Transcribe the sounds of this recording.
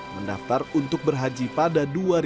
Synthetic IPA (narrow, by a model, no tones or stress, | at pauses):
məndaft̪arunt̪ʊk̚bərɦad͡ʒipadaduaɾ